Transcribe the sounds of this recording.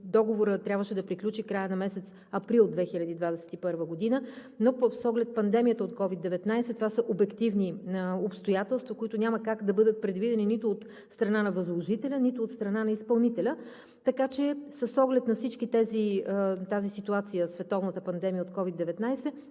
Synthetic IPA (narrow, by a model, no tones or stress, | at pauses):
d̪ɔɡovoɾət̪ɾʲabvəʃɛd̪ɐpɾiklʲut͡ʃikɾajənɐmɛsɛt̪s | ɐpɾilˠd̪vɛxilʲɐd̪id̪vad̪ɛsɛ̥t̪ipɤɾvəɡod̪inə | nopsɔɡlɛt̪̚pɐnd̪ɛmijət̪əot̪kɔvid̪ɛvɛt̪najsɛt̪ovasəʔobɛkt̪ivniopst̪ojat̪ɛlˠst̪vəkʊit̪ʊnʲaməkakd̪ɐbɤd̪ət̪̚pɾɛd̪vid̪ɛninit̪ʊːt̪ | st̪ɾɐnanɐvɐzlˠoʒit̪ɛlʲənit̪oːt̪st̪ɾɐnanɐispɐlˠnit̪ɛlʲə | t̪ɐkat͡ʃɛsəsːɔɡlɛt̪nɐfsit͡ʃkit̪ɛzit̪azisit̪uat̪sijəsvɛt̪ɔvnət̪əpɐnd̪ɛmijəot̪kɔvid̪ɛvɛt̪najsɛ